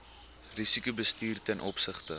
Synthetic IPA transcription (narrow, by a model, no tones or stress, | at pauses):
risikubəstiːrtɛnʔɔpsəχtə